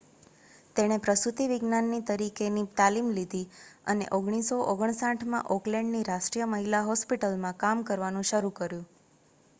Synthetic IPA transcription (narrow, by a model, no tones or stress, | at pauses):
t̪eɽ̃epɾəsut̪iʋiɡnanːit̪əɾikenit̪alimlid̪ʱiə̰nḛʔoɡɽ̃isoʔoɡəɳ̃sãʈʰmã̰ʔɔklɛɳɖniɾaʃʈɾijəməɦilaɦɔspiʈəlmãkamkəɾʋanũʃəɾukəɾjũ